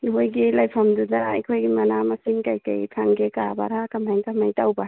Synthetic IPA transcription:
ɦojɡilajpʰɐmdudaa̰jkʰojɡimɐnamɐsiŋkajka̰jtʰaŋɡekaba̰ɾakɐmajŋkʰamajtawba

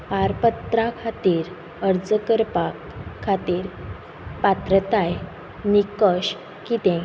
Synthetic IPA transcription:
paɾpət̪ɾakʰat̪iːɾ | əɾd͡zəkəɾpakʰːat̪iːɾ | pat̪ɾət̪aj | nikəɕ | kit̪ɛ̃

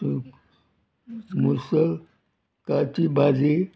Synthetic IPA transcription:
musəl | katibad͡zi

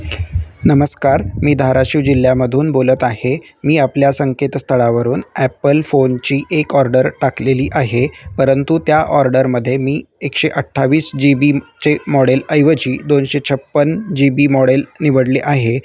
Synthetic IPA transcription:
nəməskaɾmiːd̪ʱaɾaɕiʋd͡ʑil̤ːjaməd̪ʱuːnbolət̪ahe | miːapljasəŋket̪st̪ʰəɭaʋəɾuːnæpəlfont͡ɕiːʔekɔɾɖəɾʈakleliːʔaɦepəɾənt̪ut̪jaʔɔɾɖəɾməd̪ʱːjemiːekʂeʔəʈʰːaʋiːsd͡ʑibit͡ɕemɔɽeləjʋət͡ɕiːd̪onɕet͡ɕʰəpːənd͡ʑibiːmɔɽelniʋəɽliʔaɦe

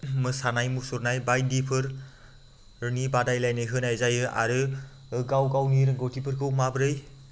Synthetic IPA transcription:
mɯsanajmusoɾnajbajdipʰɯɾ | ɾɯnibadajlajnɯjɦɯnajzajɯʔa̰ɾɯ | ɡawɡawniɾɯŋɡowtʰipʰɯɾkʰɯwmabɾɯj

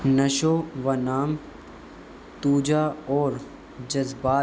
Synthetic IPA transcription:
nɐʃoʋɐnaːm | t̪uːd͡ʒaːɔːɾ | d͡ʒɐzbaː

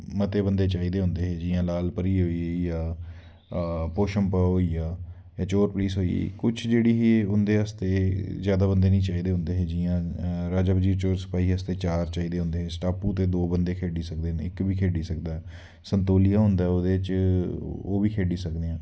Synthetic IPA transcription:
mət̪eːbənd̪eːt͡ʃaːiːd̪eːɦʊ̃nd̪eːɦeːd͡ʒiːãːlaːlpəɾiːɦoːiejaː | poːʃəmpaːɦoːiːjaː | jaːt͡ʃoːɾpliːsɦoːḭḛːkʊt͡ʃʰd͡ʒeːɽiːɦiʊnd̪eːɦəst̪eːzjaːd̪aːbənd̪eːnĩːt͡ʃaːiːd̪eːɦʊ̃nd̪eːɦed͡ʒiːjãːɾaːd͡ʒaːbəd͡ʒiːɾt͡ʃoːɾsə̥paːiːɦəst̪eːt͡ʃaːɾt͡ʃaːiːd̪eːɦʊ̃nd̪eːɦeːsʈaːpũːt̪eːd̪oːbənd̪eːkʰeːɖiːsək̚d̪eːnɪ̰kbiːkʰeːɖiːsəkd̪aːɦɛː | sənt̪oːlijãːɦʊ̃nd̪aːɛod̪eːt͡ʃ | o̰ːʋiːkʰeːɖiːsəkd̪eːãː

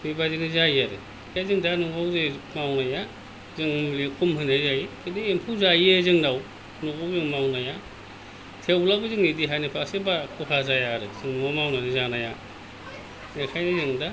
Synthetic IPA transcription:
mibazinizajaɾɯ̰ | kʰajzɯŋdanuŋawzemawnaja | zɯŋmlikʰumhɯnazajikʰɯdiempʰuzajezɯŋnaw | noawzɯŋmawnaja | tʰewlabɯzɯŋnidiɦajnipʰasebakʰuhʰazajaɾɯzɯŋŋɔmawnanizanaja | nekʰajnizɯŋda

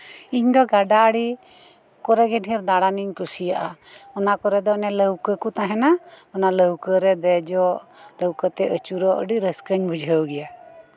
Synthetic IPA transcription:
iɲd̪ɔɡaɖaɽi | kɔɾɛɡɛɖʱiɾd̪aɽaniɲkusijaʔaɔnakɔɾɛd̪ɔnɛləwkəkut̪aɦɛnaɔnaləwkəɾɛd̪ɛd͡ʒɔləwkət̪ɛʔət͡ʃuɾɔʔə̰ɖiɾəskəɲbʱud͡ʒʱəwɡɛja

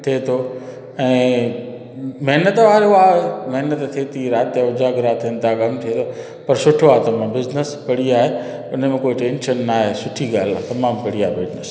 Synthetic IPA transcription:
t̪ʰiet̪ʰo | ɛ̃ː | mɐɦnət̪ʋaːɾeʊamɐɦnət̪t̪ʰiet̪ʰiɾaːt̪aʊd͡ʑaːɡɪɾaːt̪ʰiənt̪ʰakɐmt̪ʰiet̪ʰo | pɐɾsʊʈʰoaːt̪ɐm̤ãbɪznəspɐɽiaːɦe | ʊnəmẽkoːiʈẽːnʃənːaːɦesʊʈʰiɡaːl̤at̪ɐmaːmpɐɽiaːɦebɪznəs

